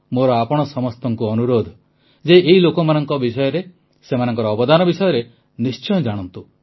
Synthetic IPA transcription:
moɾɔapɔɽ̃ɔsɔmɔst̪ɔŋkuɔnuɾod̪ʱɔ | d͡ʒeʔːɦilokɔmanɔŋkɔbisɔjɔɾe | semanɔŋkɔɾɔːbɔd̪anɔbisɔjɔɾe | nist͡ʃɔjɔd͡ʒaɽ̃ɔnt̪u

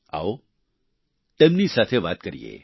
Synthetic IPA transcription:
a̰o | t̪emnisat̪ʰeʋat̪kəɾḭjḛ

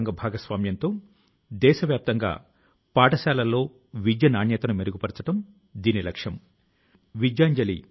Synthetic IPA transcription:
ŋɡɐbʱaːɡɐsʋaːmjɐnt̪o̞ː | d̪ɛːʃɐʋjaːp̚t̪ɐŋɡa̰ː | paːʈɐsaːlɐlːo̞ː | ʋid͡ʒjɐnaːɳjɐt̪ɐnumeɾuɡupɐɾt͡ʃɐʈɐm | d̪iːnilɐkʂɐm | ʋid͡ʒjaːɲd͡ʒɐlḭ

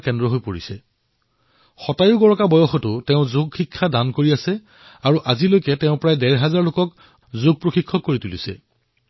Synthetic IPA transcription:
kɛndɹɔɦojpoɹisɛ | xɔtajʊɡɔɹɔkabɔjɔxɔtʊtɛʊ̃zoɡxikʰːadankoɹiasɛ | aɹuʔazilojkɛtɛʊ̃pɹajdɛɹɦazaɹlokɔk | zoɡ̚pɹoxikʰːɔkːoɹitulisɛ

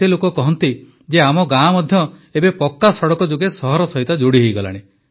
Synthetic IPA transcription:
elokɔkɔɦɔnt̪i | d͡ʒeamɔɡãmɔd̪ʱjɔebepɔkːasɔɽɔkɔd͡ʒoɡesɔɦɔɾɔsɔɦit̪ɔd͡ʒoɽiɦejɡɔla̰ɽ̃e

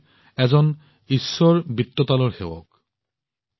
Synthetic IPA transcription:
ɛzɔn | isːɔɹbit̪ːɔt̪alɔɹxḛwɔ̰k

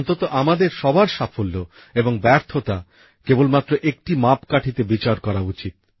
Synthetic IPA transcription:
nt̪ot̪oʔamad̪eɾʃɔbʱaɾʃafolːo | eboŋbɛɾt̪ʰot̪a | kebolmat̪ːɾoʔek̚ʈimapkaʈʰit̪ebit͡ɕaɾkɔɾaut͡ɕit̪̚

